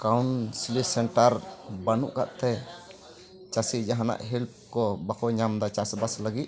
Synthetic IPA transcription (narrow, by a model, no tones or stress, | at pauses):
kawnsilisɛɳʈaɾbanuʔka̰ʔt̪ɛ | t͡ʃasid͡ʒaɦana̰ʔɦilp̚kɔbakɔɲamd̪at͡ʃasbasləɡit̪̚